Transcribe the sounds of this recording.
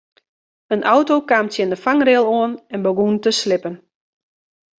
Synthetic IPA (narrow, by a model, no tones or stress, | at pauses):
ənʔɔwtokaːmtsjɛndəfaŋrɪlˠoənɛnbəɡuntəslɪpən